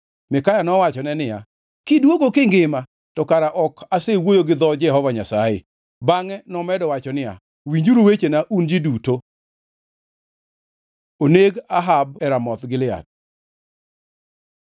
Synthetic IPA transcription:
mɪkajanɔwat͡ʃɔnɛnɪja̰ | kɪdwoɡokɪŋɡɪma | tɔkaɾaʔɔkʰasewojoɡɪd̪ɔd͡ʒɛɦɔvaɲasajḛ | baŋɛnɔmɛdɔwat͡ʃɔnɪja̰ | wiɲd͡ʒuɾowet͡ʃenaʔund͡ʒɪduto | oneɡaɦabɛɾamɔt̪ɡɪlɪa̰d̚

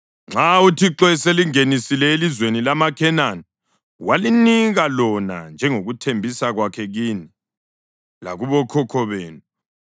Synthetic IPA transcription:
ŋ͡ǁautʰiǁɔɛseliŋenisilɛelizwenilamakʰɛnanɔ | waliniɣalɔna̰nd͡ʒʱɛŋoɣutʰembʱisaɣwakʰɛɣiːni | la̰ɣuβɔkʰɔkʰɔβeːnu

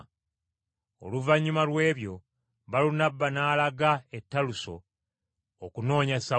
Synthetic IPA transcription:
o̰luvaɲːumalwe̞ːβjo̞ | βalunabːanaːlaɡaetːaluso̞̰ː | kuno̞ːɲasa

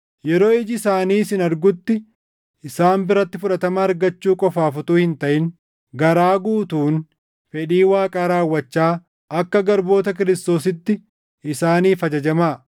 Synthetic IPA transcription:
jɛɾo̞ːɪd͡ʒɪɪsaːniːsɪnɐɾɡʊt̪ːɪ | ɪsaːmbɪɾɐt̪ːɪfʊᶑɐt̪ɐmɐːɾɡɐt͡ʃːuːkʼɔfaːfʊt̪uːhɪnt̪ɐʔɪn | ɡɐɾaːɡuːt̪uːn | fɛᶑiːwaːkʼaːɾaːwːɐt͡ʃːaː | ʔɐkːɐɡɐɾbo̞ːt̪ɐk̬ɪɾɪst̪o̞ːsɪt̪ːɪ | ɪsaːniːfɐd͡ʒɐd͡ʒɐmaː

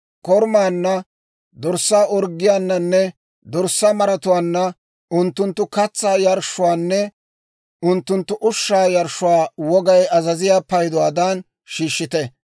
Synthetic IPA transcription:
kɔɾmaːnːɐ | d̪ɔɾsːaːʔɔɾɡːɪjaːnːɐnːɛ | d̪ɔɾsːɐmɐɾɐt̪ʊwaːnːɐ | ʊnt̪ːʊnt̪ːʊkɐt͡sːaːjɐɾʃːʊwaːnːɛ | ʊnt̪ːʊnt̪ːʊʔʊʃːaːjɐɾʃʊwaːwɔɡɐjɐzɐzɪjaːpɐjd̪ɔwaːd̪aːn | ʃiːʃːɪt̪ɛ

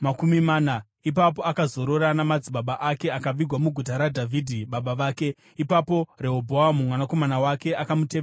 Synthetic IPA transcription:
makumimaːna | ipapo̞akazo̞ɾo̞ɾanamad͡ziɓaɓaʔake̞akaʋiɡʱwamuɡʱut̬aɾadʱavʱidʱiɓaɓaʋaːke̞ | ipapo̞re̞ɦobʱoamumwanako̞manawake̞akamuteːe

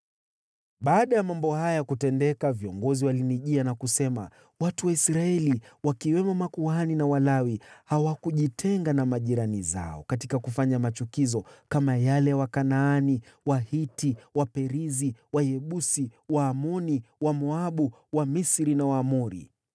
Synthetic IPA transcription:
ɓaːɗajamambɔhajakutɛndɛkaviɔŋɡɔziwaliniʄianakusɛma̰ | watuwaisɾaɛliwakiwɛmɔmakuaninawalawihawakuʄitʰɛŋɡanamaʄiɾaniza̰ɔ̰katikakufaɲamat͡ʃukizɔkamajalɛwakanaːni | wahitiwapɛɾiziwajɛɓusiwaːmɔniwamɔaɓu | wamisɾinawaːmɔɾḭ

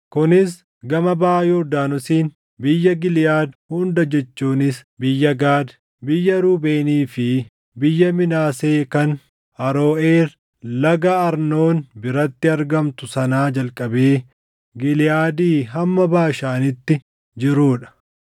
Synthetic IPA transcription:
kʊnɪs | ɡɐmɐbaːjoːd̪aːnʊsiːn | bɪjːɐɡɪlɪjaːd̪hʊnd̪ɐd͡ʒɛt͡ʃːuːnɪsbɪjːɐɡaːd̪ | bɪjːɐɾuːbe̞ːniːfɪ | bɪjːɐmɪnaːse̞ːkɐn | ɐɾoːeːɾ | lɐɡɐɐɾno̞ːnbɪɾɐt̪ːɪɐɾɡɐmt̪ʊsɐnaːd͡ʒɐlkʼɐbeː | ɡɪlɪjaːd̪iːɦɐmːɐbaːʃaːnɪt̪ːɪ | d͡ʒɪɾuːᶑɐ̥

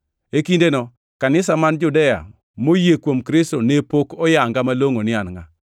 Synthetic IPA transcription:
ekindenɔ | kanɪsamand͡ʒʊdɛja̰ | mojekwomkɾɪstonepokɔjaŋɡamaloŋonɪanŋa

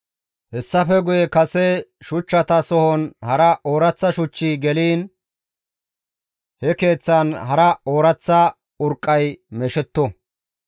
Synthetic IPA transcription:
hɛsːɐfɛɡʊjɛkɐsɛʃʊt͡ʃːɐt̪ɐsɔhɔnhɐɾɐʔoːɾɐt͡sːɐʃʊt͡ʃːiɡɛliːn | hɛke̞ːt͡sːɐnɦɐɾɐoːɾɐt͡sːɐ | ʊɾkʼːɐjmɛʃɛt̪ːɔ

